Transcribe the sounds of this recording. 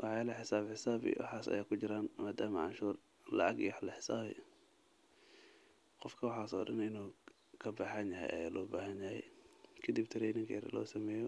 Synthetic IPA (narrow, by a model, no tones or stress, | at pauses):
wʔɑħjalɐħɪsaːbħɪsaːbḭwʔɑ̰ħɑːsɐ̰jaːkʰʊd͡ʒɪɾaːnmaːd̪aːmɐʕɑ̰nʃuːr | lɐ̰ʔɐɡiħlɐħɪ̥saːβɪ̰ | qɔfkʰɐwɑħɑːsɔ̰ːɗɐnɪnuː | kʰɐbɐħɐnjɐɦɛ̰jɐ̰ja̰ːlɔːbaːɦɐnjɐhɛ̰jkʰɐd̪ibt̪ʰɪɾɛjnɪŋkʰɐjɾɐ̰lɔ̰ːsɐmɛːjɔ